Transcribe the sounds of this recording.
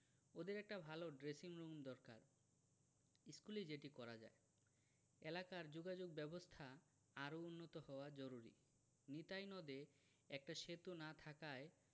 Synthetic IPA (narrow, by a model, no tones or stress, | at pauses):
od̪eɾɛk̚ʈabʱaloɖɾesiŋɾumd̪ɔɾka̰ɾ | iskuled͡ʑeʈikɔɾad͡ʑa̰e | elakaɾd͡ʑoɡad͡ʑoɡ̚bɛbost̪ʰa | aɾounːot̪ohɔoad͡ʑɔɾuɾḭ | nit̪ajnɔd̪e | ɛk̚ʈaʃet̪unat̪ʰakae